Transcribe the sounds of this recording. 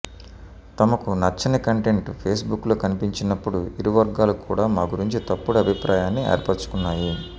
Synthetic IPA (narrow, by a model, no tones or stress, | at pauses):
t̪ɐmɐkunɐt͡ʃːɐnɐkɐɳʈe̞ɳʈpʰeːsbukːloːkɐnipiɲt͡ʃinɐpːuɽuiɾiʋɐɾɡaːlukuːɽaːmaːɡuɾiɲt͡ʃit̪ɐpːuɽɐɐbʱipɾaːjaːnːiɛ̰ːɾpɐɾt͡ʃu̥kunːaːji